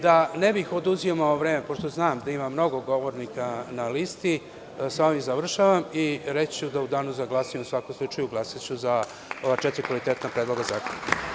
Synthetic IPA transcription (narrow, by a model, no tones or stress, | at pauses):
d̪anebixo̞d̪uziomaoʋɾe̞ːme̞po̞ʃt̪oznaːmd̪aimamːno̞ɡoɡo̞ʋo̞ɾnikanalist̪i | sao̞ʋimzaʋr̩ʃaːʋamiɾet͡ɕt͡ɕud̪aud̪aːnuzaɡlˠaːsijomusʋako̞mslˠut͡ʂajuɡlˠaːsat͡ɕuza | o̞ʋaːt͡ʃet̪ɾʲikʋalit̪e̞ːt̪napɾeːd̪lo̞ɡaza̰ːkonk